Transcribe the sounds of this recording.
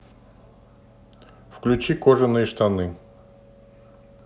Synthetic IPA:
fklʲʉt͡ɕikoʐɨnːɨjəʂt̪anɨ

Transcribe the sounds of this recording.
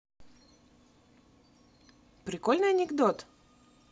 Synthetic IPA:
pɾʲɪkolʲnɨjɐnʲɪɡd̪ot̪

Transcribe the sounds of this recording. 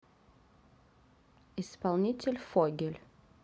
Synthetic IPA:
ɪspalˠnʲitʲɪlʲfoɡʲɪlʲ

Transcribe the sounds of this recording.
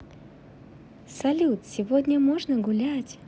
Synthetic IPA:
sɐlʲut̪sʲɪvodʲnʲəmoʐnəɡʊlʲætʲ

